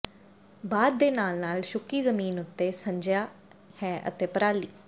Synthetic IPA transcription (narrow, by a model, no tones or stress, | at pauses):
baːd̪̚ːeːnaːlnaːlʃʊkiːzəmiːnʊt̪ːeːsəɲd͡ʒjaː | hɛːʔə̰t̪eːpəɾaːliː